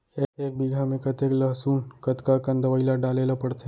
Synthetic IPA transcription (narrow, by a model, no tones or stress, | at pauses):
eeːk̚biɡʱamẽkɐt̪eklɐɦsuːnkɐt̪kakɐ̃nd̪əʋəilaɖaːleːlapɐɽt̪ʰe